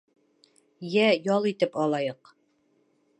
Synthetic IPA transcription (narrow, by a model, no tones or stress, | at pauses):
jæjɒlˠit̪ɘpɒlˠɑjɤq